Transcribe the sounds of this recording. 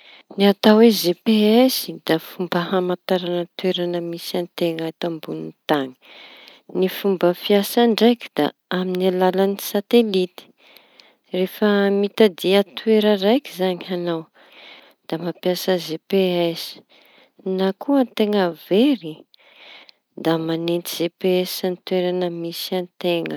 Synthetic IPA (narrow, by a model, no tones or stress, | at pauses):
niat̪awezepeesid̪afumbəhamat̪aɾanət̪weɾanəmisant̪eŋat̪ambunint̪aŋi̥ | nifumbəfiasaɳɖ͡ʐajkʲi̥d̪̥a̰aminialalanisat̪elit̪i̥ | refəmit̪ad̪iat̪weɾərajkizaɲianaw | d̪̥amapjasəzepeesi̥ | nakuət̪eŋəveɾi | d̪amanent̪iz̥epeesanit̪weɾanəmisant̪eŋə